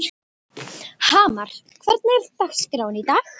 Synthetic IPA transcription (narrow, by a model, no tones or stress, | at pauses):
haːmaɾ̥ | kʰvɛɾt̪̚naɛɾt̪axskɾawɪnit̪aːx